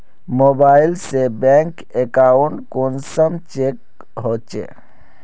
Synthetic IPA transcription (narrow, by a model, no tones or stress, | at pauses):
mobailsebɛŋk | ekauɳʈkonsəmt͡ʃek | ɦot͡ʃḛ